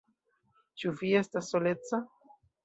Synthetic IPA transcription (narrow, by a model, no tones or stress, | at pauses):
t͡ʃuvie̞stasːo̞le̞t͡sa